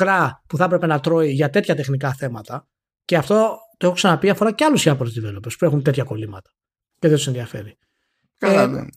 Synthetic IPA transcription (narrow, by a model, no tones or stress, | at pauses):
kɾɐpuθɐpɾe̞pe̞nɐt̪ɾo̞iʝɐt̪e̞t̪çɐt̪e̞xnikɐθe̞mɐt̪ɐ | ce̞ɐft̪o̞t̪oexoksɐnɐpiɐfo̞ɾɐceɐlusiɐpoɾot̪ivelo̞pe̞spue̞xunt̪e̞t̪çɐko̞limɐt̪ɐ̥ | ceðet̪senðiɐfe̞̰ɾi | ke